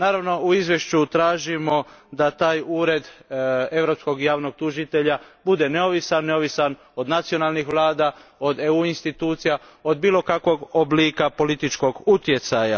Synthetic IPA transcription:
naːɾaʋno̞uizʋje̞ʃt͡ʃut̪ɾaːʒimo̞d̪at̪aːjuːɾe̞d̪e̞ʋɾo̞psko̞ɡjaːʋno̞ɡ̚t̪uʒit̪e̞ʎabud̪e̞ne̞oʋisanneo̞ʋisan | o̞d̪nat̪sio̞naːlnixʋlˠaːd̪ao̞d̪euinst̪it̪uːt̪sija | o̞d̪̚biːlo̞kakʋo̞ɡobliːkapo̞lit̪it͡ʃko̞ɡut̪je̞t̪saja

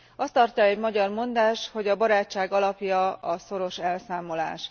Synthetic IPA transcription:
ɒst̪ːɒrcɒɛɟmɒɟɒrmo̞nd̪aːʃt̪ho̞ɟɒbɒɾaːt͡ʃːaːɡɒlɒpjɒɒso̞ɾo̞ʃɛlsaːmo̞la̰ːʃ

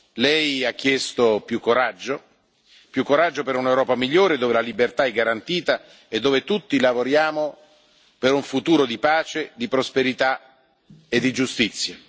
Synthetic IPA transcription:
lɛjak̟ːjɛst̪opjukːoɾad͡ʒːo | pjukːoɾad͡ʒːopeɾunewɾɔːpamiʎːoːɾed̪oːvelalibert̪aɛɡːaɾant̪iːt̪a | ed̪ːoːvet̪ut̪ːilavoɾjaːmo | peɾuɱfut̪uːɾod̪ipaːt͡ʃed̪ipɾospeɾit̪a | ed̪ːid͡ʒust̪it̪sːja

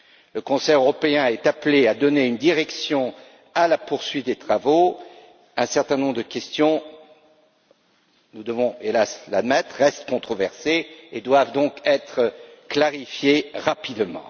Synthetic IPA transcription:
ləkɔ̃sɛjøʁɔpeɛ̃ɛt̪aplead̪ɔneynd̪iʁɛksjɔ̃ | alapuʁsɥit̪̚d̪et̪χavo | ɛ̃sɛʁt̪ɛ̃nɔ̃bʁd̪əkʲɛst̪jɔ̃ | nud̪əvɔ̃elasla̰d̪mɛt̪χʁɛst̪kɔ̃t̪χɔvɛʁseed̪wavd̪ɔ̃kɛt̪χəklaʁifjeʁapid̪mɑ̰̃

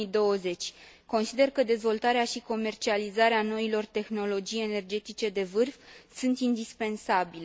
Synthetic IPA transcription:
id̪o̞wəze̞t͡ʃʲ | ko̞nsid̪e̞rkəd̪e̞zvo̞lt̪aɾeaʃiko̞me̞rt͡ʃializaɾeano̞ilo̞rt̪e̞xno̞lo̞d͡ʒije̞ne̞rd͡ʒe̞t̪it͡ʃe̞d̪e̞vɨrfsunt̪ind̪ispe̞nsabile

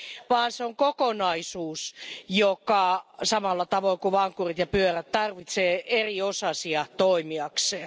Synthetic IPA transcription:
ʋɑːnseoŋkokonɑisuːsjokɑsɑmɑlːɑt̪ɑʋoikuʋɑŋkurit̪jɑpyøræt̪t̪ɑrʋit̪seːeriosɑsiɑt̪oimiɑkseː

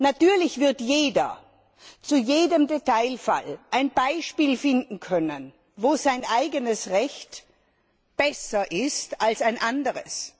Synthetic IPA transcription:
natyːɐlɪçv̥ɪɐtjeːdɐ̰ | t͡sujeːdəmdetaɪlfa̰lʔaɪnbaɪʃpiːlfɪndn̩kʰœnən | voːzaɪnʔaɪɡənəsʁɛçt | b̥ɛsɐʔɪstalsaɪnʔandəʁəs

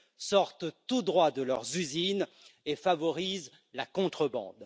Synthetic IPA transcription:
sɔʁt̪t̪ud̪ʁwad̪əlœʁzyzin | efavɔʁiz | lakɔ̃t̪χəbɑ̰̃d̪

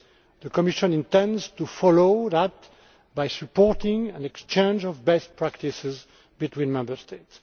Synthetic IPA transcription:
ðəkɔmiʃə̃nĩntɛ̃ndztufɔloðat̚ | bajsɨpɔɹt̪ɪ̃ŋæ̃nɛkst͡ʃẽnd͡ʒɔvbɛst̚pʰɹakt̪isɪz | bit̪ʰwĩnmɛ̃mbə˞st̪ets

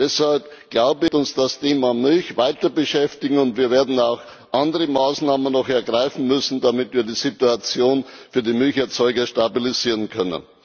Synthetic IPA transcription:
d̥ɛshalpɡ̥laʊbəɪçʊnsd̥astʰeːmamʏlçvaɪtɐbəʃɛftɪɡŋ̩ʊntviːɐveːɐdn̩aʊx | ʔandəʁəmaːsnaːmənːɔxɛɐɡʁaɪfn̩mʏsn̩damɪtviːɐdiːzituat͡sjoːnfyːɐdiːmʏlçɛɐt͡sɔʏɡɐʃtabiliziːʁənkʰœnə̰n

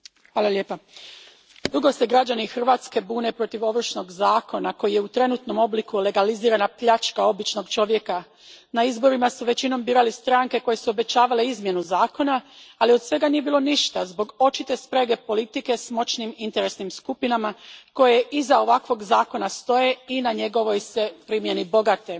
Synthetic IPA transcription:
xaːlˠaljepa | d̪uɡo̞seɡɾad͡ʑanixr̩ʋaːt̪ske̞buːne̞pɾo̞t̪iʋo̞ʋr̩ʃno̞ɡzaːko̞nako̞jijeut̪ɾe̞nut̪no̞mo̞blikule̞ɡaliziːɾanapʎat͡ʃkao̞bit͡ʃno̞ɡt͡ʃo̞ʋjeka | naizbo̞ɾimasuʋe̞t͡ɕino̞mbiːɾalist̪ɾaŋke̞ko̞je̞suo̞be̞t͡ɕaːʋaleizmje̞nuzaːko̞naːlio̞d̪sʋe̞ɡanije̞biːlo̞niʃt̪azbo̞ɡo̞t͡ʃit̪e̞spɾeɡe̞po̞lit̪ike̞smo̞t͡ɕnimint̪e̞ɾe̞snimskupinamako̞je̞ʔizao̞ʋakʋo̞ɡzaːko̞nast̪o̞je̞inaɲe̞ɡo̞ʋo̞jsepɾimje̞nibo̞ɡat̪e̞

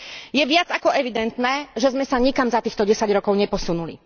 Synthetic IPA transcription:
jɛʋɪad͡zakɔʔɛʋid̪ɛnt̪nɛːʒɛzmɛsaɲikamzat̪iːxt̪ɔɟɛsaɟɾɔkɔʊɲɛpɔsunulḭ

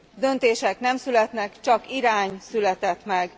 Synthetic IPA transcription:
d̪ø̞nt̪eːʃɛkn̪ɛmsylɛt̪nɛkt͡ʃɒkiɾaːɲsylɛt̪ɛt̪mɛɡ

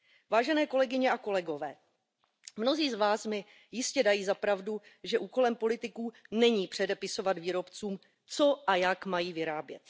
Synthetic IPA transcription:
vaːʒɛnɛːko̞lɛɡɪɲɛʔako̞lɛɡo̞vɛː | mno̞ziːzvaːsmɪ | jɪscɛdajiːzapɾavduʒɛʔuːko̞lɛmpo̞lɪt̪ɪkuːnɛɲiːpr̝̥ɛdɛpɪso̞vat̪viːɾo̞pt͡suːm | t͡so̞ʔajakmajiːvɪɾaːbjɛ̰t̪

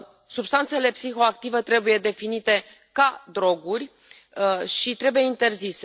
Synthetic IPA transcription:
subst̪ant̪se̞le̞psixo̞ak̚t̪ivet̪ɾe̞buje̞d̪e̞finit̪e̞ | kad̪ɾo̞ɡurʲ | ʃit̪ɾe̞buje̞int̪e̞rzise

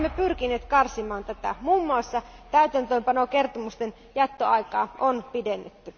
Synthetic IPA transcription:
mːepyrkinˑeːt̪kɑrsimɑːnt̪æt̪æ̰muːmːuɑsːɑt̪æyt̪ænt̪øːmpɑnokert̪omust̪en | jæt̪ːoɑikɑ̰ːʔonpidenːet̪ːy

